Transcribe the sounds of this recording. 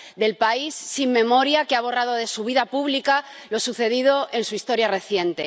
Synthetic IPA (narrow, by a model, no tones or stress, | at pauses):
d̪e̞lpaisːimːẽ̞mo̞ɾjakeaβ̞o̞rað̞o̞ð̞e̞suβ̞iðapuβlikalo̞suθe̞ðið̞o̞ʔe̞nsuist̪o̞ɾjare̞θjẽ̞nt̪e̞